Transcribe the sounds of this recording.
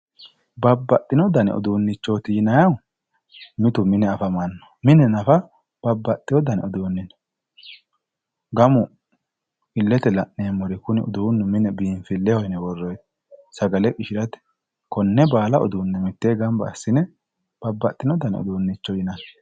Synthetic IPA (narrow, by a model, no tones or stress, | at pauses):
bɐbːɐt̪ʼːɪnɔd̪ɐnɛ̰ɔ̰d̪uːnːɪt͡ʃːoːt̪ɪjɪnɐjɐw | mɪt̪ʊmɪnɛɐfɐmɐnːɔ̥mɪnɛnɐfɐ | b̥ɐbːɐt̪ʼːɪjɔd̪ɐnɛɔd̪uːnːɪn | ɡɐmʊ | ɪlːɛt̪ɛlɐʔneːmːɔɾɪkʊnɪɔ̰d̪uːnːʊmɪnɛbiːnfɪlːɛhɔjnɛwɔrːɔjt̪ | sɐɡɐlɛkʼɪʃɪɾɐt̪ɛ̥ | kɔnːɛbaːlɐɔ̰d̪uːnːɛmɪt̪ːeːɡɐmbɐ̰ːsːɪnɛ | b̥ɐbːɐt̪ʼːɪnɔd̪ɐnɛ̰ɔ̰d̪uːnːɪt͡ʃːɔjɪnɐn